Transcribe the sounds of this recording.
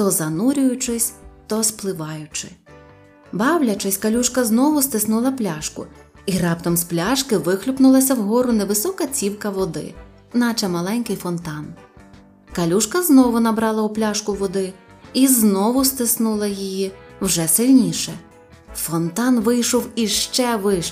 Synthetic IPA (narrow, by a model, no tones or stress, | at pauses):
t̪ɔzɐnuɾʲʊjʊt͡ʃɪsʲt̪ɔsplˠɪʋɑjʊt͡ʃɪ̥ | bɑwlʲɐt͡ʃɪsʲkɐlʲuʃkɐznɔʋʊst̪ɪsnulˠɐplʲaʃkʊ̰ | iɾɑpt̪ɔmsplʲɑʃkɪʋɪxlʲʊpnʊlˠɐsʲɐwɦɔɾʊnɛʋɪsɔkɐt͡sʲiwkɐʋɔd̪ɪ̰ | nɑt͡ʃɐmɐlˠɛnʲkɪjfɔnt̪ɑn | kɐlʲuʃkɐznɔʋʊnɐbɾɑlˠɐʊplʲɑʃkʊʋɔd̪ɪ | iznɔʋʊst̪ɪsnulˠɐjijiwʒɛsɪlʲnʲiʃɛ | fɔnt̪ɑnʋɪjʃɔwiʃt͡ʃɛʋɪʃ